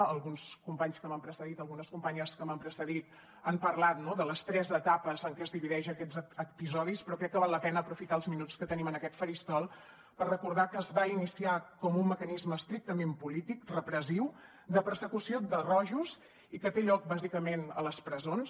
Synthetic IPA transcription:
əlˠɣunskumpaɲskəməmpɾəsəðit̪əlˠɣunəskumpaɲəskəməmpɾəsəðit̪ | əmpərlat̪̚nɔðələst̪ɾɛzət̪apəzəŋkɛəzðiβiðɛʒəkɛd͡zəpizɔðispɾɔkɾɛkːəβalˠːəpɛnəːpɾufit̪aəlˠzminut͡skət̪ənimənəkɛt̪fəɾist̪ɔlˠ | pərrəkuɾð̞akəːzβainisiakɔmumːəkənizməːst̪ɾik̚t̪əmempulit̪ikrəpɾəziw | d̪əpəɾsəkusiod̪ərɔʒuz | ikət̪eʎɔk̚bazikəmenə̰ləspɾəzons

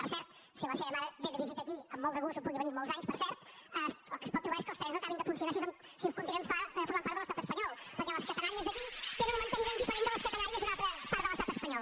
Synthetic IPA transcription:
pəɾsɛɾt̪ | siɛlɐʃɛɾɐmaɾɐβẽd̪əβizit̪ɐːkiəmːɔlˠt̪ɐɣuzumpuðiəβəniɾmɔlˠzaɲspəɾsɛɾt̪ɛsəlˠkəspɔt̪̚t̪ːɾuβaɾeskəlˠst̪ɾɛznõw̃kaβẽnd̪fũnsiunaɾsizβɐ̃m | sikunt̪iɛ̃nd̪əfaɾfuɾmaɾpaɾt̪ðəlˠɐst̪at̪ə̥spɐɲɔlˠpəɾkɛlˠɐskɐt̪ɐnaɾiɐzðəɐkit̪enũmẽnt̪əniɾend̪ifəɾẽnd̪əlˠɐəskɐt̪ɐnaɾiɐzðunat̪ɾəpaɾt̪ðəlɐst̪at̪əspɐɲɔlˠ

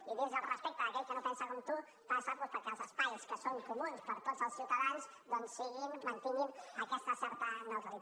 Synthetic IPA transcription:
iðizəlˠrəspɛk̚t̪aːkɛʎkənopɛnsakomt̪u | p̪asaɾβuspəɾkɛlˠzəspajskəsoŋkumunspəɾt̪otz̥əlˠsiwt̪ɐðans | d̪onsiɣinmɐnt̪ininɐkɛst̪əsɛɾt̪ənot̪ɾi

